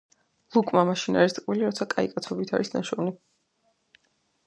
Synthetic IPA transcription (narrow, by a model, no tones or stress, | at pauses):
lˠukʼmamaʃinaɾist̪ʼqʼwiliɾat̪sʰakʼaikʼat̪sʰɔbit̪ʰa̰ɾisna̰ʃɔvni